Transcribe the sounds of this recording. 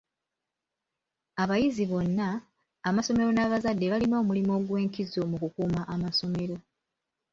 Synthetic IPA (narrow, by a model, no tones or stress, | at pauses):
aβajiziβo̞nːaː | maso̞me̞ɾo̞naːβazadːe̞βalino̞ːmulimo̞ɡwe̞ːŋkizo̞mukukuːmaʔamaso̞me̞ɾo̞